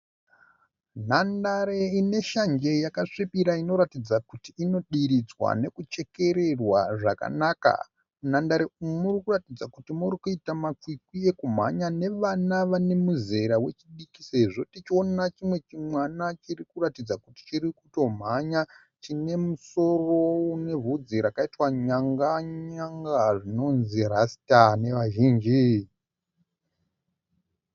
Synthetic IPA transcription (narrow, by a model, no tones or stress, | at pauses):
n̤andaɾeine̞ʃaɲd͡ʒe̞jakaʂipiɾaino̞ɾatid͡zakutiːno̞ɗiɾid͡zwa̰ne̞kut͡ʃe̞ke̞ɾe̞rwaʐa̰ka̰naːka̰ | nandaɾeumurikuratid͡zakutimuɾikuitamakwikwie̞kum̤a̰ɲane̞ʋanaʋane̞muze̞ɾawe̞t͡ʃiɗikise̞ʐo̞tit͡ʃio̞nat͡ʃimwe̞t͡ʃimwanat͡ʃirikuratid͡zakuti̥t͡ʃiɾikuto̞m̤aɲa | t͡ʃine̞muso̞ro̞une̞vud͡ziɾakaitwaɲaŋɡaɲaŋɡaʐino̞nzirasi̥tane̞ʋaʒiːnd͡ʒi